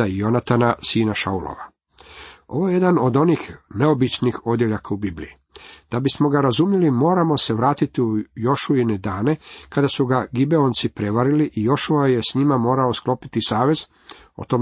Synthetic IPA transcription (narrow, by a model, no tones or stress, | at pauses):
aijo̞nat̪anasiːnaʃa̰ulo̰ʋa | o̞ʋo̞jeje̞d̪ano̞d̪o̞nixne̞o̞bit͡ʃnixo̞d̪jeʎakaubiblḭji | d̪̥abismo̞ɡaɾazumjelimo̞ːɾamo̞se̞ʋɾaːt̪it̪iujo̞ʃuined̪aːne̞kad̪asuɡaɡibe̞ont̪sipɾe̞ʋaɾiliʔijo̞ʃuaje̞sɲimamo̞ːɾaosklo̞pit̪isaːʋe̞z | o̰t̪om